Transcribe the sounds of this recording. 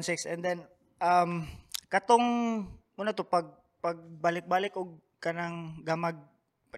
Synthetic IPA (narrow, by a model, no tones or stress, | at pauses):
nsɪksɛnd̪ɛn | ʔamkɐt̪oŋmuːnat̪opɐɡ̚ | paɡ̚balɪk̚baːlɪkʔʊɡ̚ | kɐnaŋɡamaɡ̚